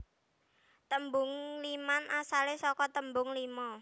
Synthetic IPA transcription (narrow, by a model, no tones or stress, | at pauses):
t̪əmbʊŋlimanʔasalesɔkɔt̪əmbʊŋlimɔ